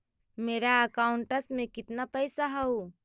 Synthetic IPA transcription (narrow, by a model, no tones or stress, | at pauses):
meːɾaəkaːʊɳʈəsmẽkɪt̪napəjsaɦəu